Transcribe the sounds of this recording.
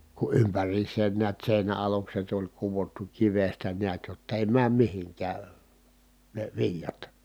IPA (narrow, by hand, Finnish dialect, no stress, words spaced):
ku ʔympærˑiːsˑeːn niæt seˑinæ ɑlukset olʲ kuʋotːu kiʋestæ niæt jotː eˑi mæːm mihiŋkæː ne ʋilʲjɑt